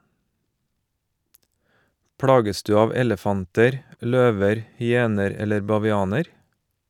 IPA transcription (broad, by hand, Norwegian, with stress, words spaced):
ˈpɽɑːɡəs ˈdʉː ˈɑːʋ ˈɛləfɑntəɾ ˈløːʋəɾ hʏˈeːnəɾ ˈɛləɾ bɑʋɪˈɑːnəɾ